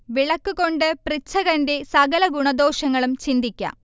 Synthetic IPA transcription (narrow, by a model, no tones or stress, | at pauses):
ʋiɭɐkːuɣo̞ɳɖɨprit͡ɕʰːɐɣɐnde̞sɐɡɐlɐɡuɳɐd̪o̞ːʂɐŋːɐɭumt͡ɕind̪ikʲːa̰